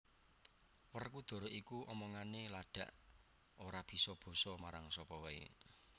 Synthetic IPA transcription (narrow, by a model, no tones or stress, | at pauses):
wərkud̪̥o̤ɾoʔikuʔɔmɔŋanelaɖ̥a̤ʔ | oɾab̥i̤sɔb̥ɔ̤sɔmaɾaŋsɔpɔwɛḛ